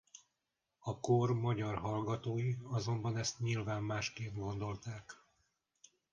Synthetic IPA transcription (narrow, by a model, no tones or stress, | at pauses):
ɒkormɒɟɒrɦɒlɡɒt̪oːjiɒzo̞mbɒnɛst̪ɲilvaːmːaːʃkeːnd̪ɡo̞nd̪o̞lt̪aːk